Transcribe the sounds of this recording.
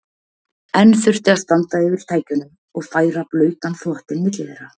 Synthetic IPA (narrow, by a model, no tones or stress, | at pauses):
ɛnːfʏr̥t̪ɪaðst̪ant̪aɛːvɪɾ̥t̪ʰaːjcʏnʏm | ɔɣfaːjɾaplœːɥt̪anθɔht̪ɪnmɪt̪lɪvɛjɾa